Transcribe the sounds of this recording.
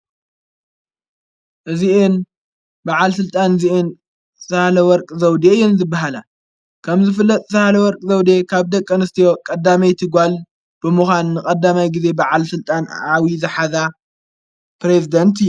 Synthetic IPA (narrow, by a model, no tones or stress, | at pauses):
ʔɨziʔɨn | baʕalsɨlt̪ʼanziʔɨn | sɐhalɐwɔɾkʼzɐwd̪ejːɛnzɨbːaɦala | kʰɐmzɨfɨlːɐt̪ʼsahalɐwɔɾkʼzɐwd̪ekʰaβd̪ɐkʼːɐnɨst̪ʰijo̞kʼɐd̪ːamɐjt̪ʰɨɡʷal | b̥ɨmuxʷanːɨkʼɐd̪ːamajɡize̞baʕalsɨlt̪ʼanʕawizɨħaza | pɾezid̪ɐnt̪ʰɨjː